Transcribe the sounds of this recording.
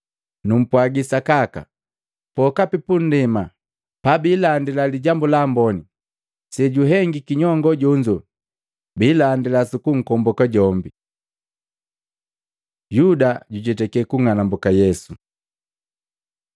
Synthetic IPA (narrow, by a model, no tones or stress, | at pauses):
num̩pwaɡisakaka̰ | pɔkapipun̩dɛma | pabiːlandilaliɟambulambɔni | sɛɟuɦɛŋɡikiɲɔŋɡɔɟɔɲd͡ʒɔ | bilandilasukuŋ̩kɔmbɔkaɟɔmbi | judaɟuɟɛtɛkɛkuŋanambukajɛsu